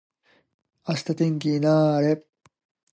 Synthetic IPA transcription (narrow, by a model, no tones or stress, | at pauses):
asɨ̥t̪at̪ẽŋkʲinaːɾe